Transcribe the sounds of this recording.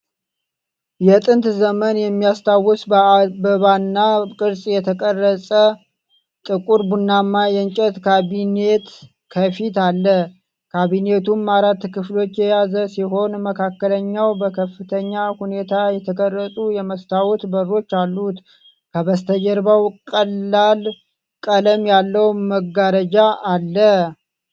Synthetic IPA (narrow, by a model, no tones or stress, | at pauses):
jɛt̪ʼɨnt̪zəmənjɛmːijast̪ʰawɔsbbəβanːakʼɨɾsʼjɛt̪ʰəkʼərːəsʼə | t̪ʼɨkʼuɾbunːamːajɛɲt͡ʃʼɛt̪kʰaβinet̪ | kʰəfit̪alːə | kʰaβine̞t̪ʰumːaɾat̪ːkʰɨflo̞t͡ʃːjɛjazəsiɦo̞nməkʰakːələɲːawbəkʰəfːɨt̪ʰəɲːahune̞t̪ʰajɛt̪ʰəkʼərːət̪ʼujɛməst̪ʰawɔt̪bəro̞t͡ʃːalːut̪ | kʰəβəst̪ʰəd͡ʒəɾbawkʼəlːal | kʼələmjalːəwməɡaɾəd͡ʒaʔːlːə